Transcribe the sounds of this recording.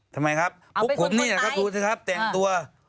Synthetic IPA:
t̪ʰa˧mːa˧jkʰa˦˥p̚ʰːu˦˥kʰːo˨˧˦mniː˧˥˩a˨˩kɔː˥˩duː˧sʰɯː˧˥˩kʰa˦˥˩p̚t̪ɛ˨˩ŋt̪u˧ɐ

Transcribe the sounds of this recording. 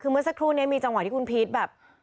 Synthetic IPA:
kʰɯː˧mɯ˥˩ɐsa˦˥kʰɾuː˥˩ni˦˥ɐmiː˧t͡ɕa˧ŋwt̪ʰi˥kʰu˧npʰi˦˥t̪̚bɛː˨˩p̚

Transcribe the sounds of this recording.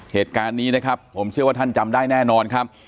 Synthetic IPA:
heː˨˩t̪̚kaː˧nːiː˦˥na˦˥kʰa˦˥pʰːo˩˦mt͡ɕʰɯ˥˩waː˥˩t̪ʰa˥˩nt͡ɕa˧mdaː˥˩jnɛː˥˩nɔː˧nkʰa˦˥p̚

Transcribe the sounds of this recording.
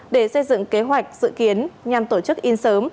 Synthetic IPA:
ɗe˧˩sə˧jzɨ̰˧˨ŋke˨˦ɦwa˨˩jk̟̚zɨ̰˧˨ki˨˦ənɲa˨˩mt̪o˧˩t͡ɕɨ˦˥k̚ʔi˧nsəː˨˦m

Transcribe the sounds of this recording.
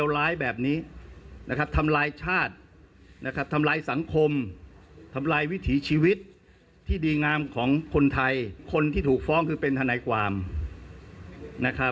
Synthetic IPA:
wlaː˦˥jbɛː˨˩p̚niː˦˥na˦˥kʰa˦˥p̚t̪ʰa˧mlaː˧jt͡ɕʰaː˥˩t̪̚na˦˥kʰa˦˥p̚t̪ʰa˧mlaː˧jsa˩˦ŋkʰo˧m | t̪ʰa˧mlaː˧jwi˦˥t̪ʰiː˩˦t͡ɕʰiː˧wi˦˥t̪̚ʰː | iː˥˩diː˧ŋaː˧mkʰɔː˩˦ŋkʰo˧nt̪ʰa˧jkʰo˧nt̪ʰiː˥˩t̪ʰuː˨˩k̚fɔː˦˥ŋkʰɯː˧pe˧nt̪ʰa˧na˧jkʰwaː˧m | na˦˥kʰɾa˦˥

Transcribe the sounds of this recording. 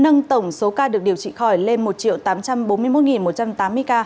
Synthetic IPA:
nə˧ŋt̪ə˧˩wŋ͡mso˨˦kaː˧ɗɨ˨˩k̚ɗi˨˩əwt͡ɕḭ˧˨xɔ˧˩jle˧nmo˨˩t̚t͡ɕḭ˧˨ə˨wt̪aː˨˦mt͡ɕa˧mɓo˨˦nmɨ˧əjmo˦˥t̚ŋi˨˩nmo˨˩t̚t͡ɕa˧mt̪aː˨˦mːɨ˧əjkaː˧

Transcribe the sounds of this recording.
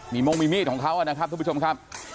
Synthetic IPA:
miː˧mo˧ŋmiː˧mi˥˩t̪̚kʰɔː˩˦kʰa˦˥wʔa˨˩na˦˥kʰa˦˥t̪ːʰt͡ɕo˧mkʰa˦˥p̚

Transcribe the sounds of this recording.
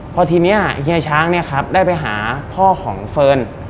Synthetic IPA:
pʰɔ˧t̪ʰiː˧ni˦˥ɐɦi˧ət͡ɕʰaː˦˥ŋni˥˩ɐkʰɾa˦˥p̚daː˥˩jpa˧jɦaː˩˦pʰɔː˥˩kʰɔː˩˦ŋfɤː˧n

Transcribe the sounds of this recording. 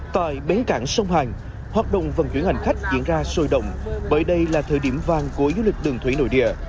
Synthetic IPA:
t̪a̰ː˧˨jɓe˨˦kaː˧˩ŋsə˧wŋ͡mhaː˨˩ŋ | hwaː˨˩t̚ɗə̰˧˨wŋ͡mvə˨˩nt͡ɕwi˧˥əha˨˩ŋ̟xa˦˥jk̟̚zḭ˧˨ənzaː˧so˧jɗə̰˧˨wŋ͡mɓəː˧˩jɗə˧jlaː˨˩t̪ʰəː˧˩jɗi˧˩əmvaː˨˩ŋku˧˩əzu˧˦lï˨˩k̟̚ɗɨ˨˩əŋt̪ʰwi˧˦no̰˧˩˨jɗḭ˧˨ə

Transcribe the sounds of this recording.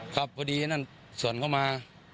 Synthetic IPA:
kʰa˦˩p̚kʰːɔː˧diː˧na˥˩n | su˨˩˦ənkʰa˥˩wmaː˧

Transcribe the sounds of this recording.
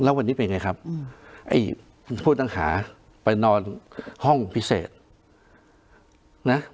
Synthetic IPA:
lɛː˦˥wa˧nːi˦˥pe˧nja˧ŋa˧jkʰa˦˥p̚ʔa̰˦˥˩j | kʰu˧npʰu˥˩t̪̚na˥˩ŋha̰ː˩˦ | pa˧jnɔː˧nhɔ˥˩ŋpʰi˦˥sḛː˨˩t̪̚ | na˦˥

